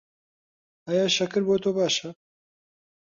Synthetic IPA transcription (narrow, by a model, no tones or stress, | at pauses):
ajaːʃɐkɨɾboːt̪oːbaːʃɐ